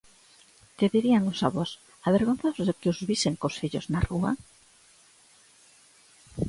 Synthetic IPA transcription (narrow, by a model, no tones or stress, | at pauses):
keðiɾiaŋosaβɔs | aβeɾɣonθazðekɪozβiseŋkosfiʎoznarua̰